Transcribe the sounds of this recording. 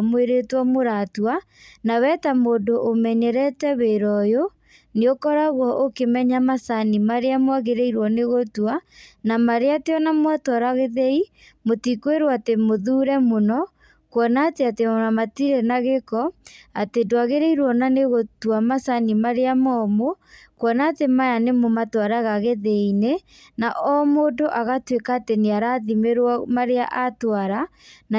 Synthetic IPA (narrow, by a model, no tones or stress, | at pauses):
mweɾetwamoɾatwa | nawɛtamoːndoʔːmɛɲɛɾɛtɛβeɾɔjo | neokɔɾaɣwɔʔokemɛɲamasanimaɾeamwaɣeɾeiɾwɔneɣotwanamaɾeateɔnamwatwɔɾaɣeðɛi | motikweɾwatemoðuɾɛmonɔ | kwɔnaːteatemonamatiɾɛnaɣekɔatedwaɣeɾeiɾwɔnaneɣotwamasanimaɾeamɔmo | kwɔnaːtemajanemomatwaɾaɣaɣeðeine | naʔɔmodoʔaɣatwekaːteneaɾaðimeɾwamaɾea̰ʔatwaɾana